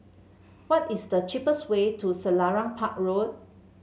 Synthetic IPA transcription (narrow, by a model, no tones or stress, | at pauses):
wɔtisdət͡ʃipəswetʰusəlaɹãŋpʰak̚ɹod̚